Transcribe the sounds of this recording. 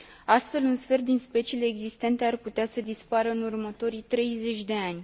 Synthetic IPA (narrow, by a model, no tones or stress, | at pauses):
ast̪fe̞lunsfe̞rd̪inspe̞t͡ʃile̞ːɡzist̪e̞nt̪e̞arput̪easəd̪ispaɾəɨnurmət̪o̞ɾit̪ɾe̞jze̞t͡ʃʲd̪e̞anʲ